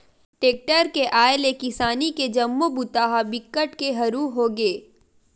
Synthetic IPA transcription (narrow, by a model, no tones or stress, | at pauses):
ʈeːk̚ʈəɾkeʔaːelekɪsaːniked͡ʒɐmːobʊt̪aːɦabɪkːəʈkeɦɐɾuːɦoːɡeː